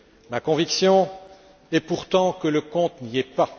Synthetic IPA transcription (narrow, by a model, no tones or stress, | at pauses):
makɔ̃viksjɔ̃ | ɛpuʁt̪ɑ̃kələkɔ̃t̪niɛpa